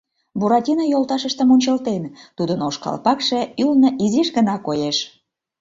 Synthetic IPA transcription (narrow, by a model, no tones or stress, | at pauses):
buɾɑt̪ʲinɑjolt̪ɑʃəʃt̪əmonʲt͡ɕəlt̪ent̪ud̪ənoʃkɑ̰lpɑkʃeylnəʔiziʃɣənɑkojeʃ